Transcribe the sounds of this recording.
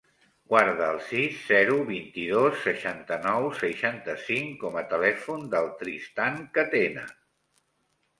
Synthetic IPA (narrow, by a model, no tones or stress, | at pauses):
ɡ̥waɾðəːlˠsisːɛɾuβint̪iðosːəʃant̪ənɔwsəʃant̪əsiŋkɔmət̪əlɛfund̪əlˠt̪ɾist̪aŋkət̪enə̰